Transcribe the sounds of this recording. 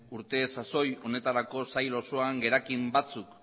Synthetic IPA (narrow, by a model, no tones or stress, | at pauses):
uɾt̪e̞saso̞jo̞ne̞t̪aɾako̞sajlo̞so̞aŋɡe̞ɾakimbat͡suk